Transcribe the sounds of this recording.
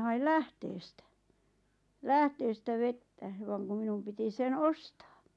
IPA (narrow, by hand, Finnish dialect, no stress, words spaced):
hɑil læhteːstæ læhteːstæ ʋetːæ ʋɑŋ kum̆ minum piti sen ostɑː